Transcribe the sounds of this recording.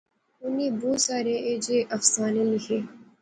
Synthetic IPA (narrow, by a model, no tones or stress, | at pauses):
ʊniːboːsaːɾeːed͡ʒeːʔɐfsaːneːlɪkʰeː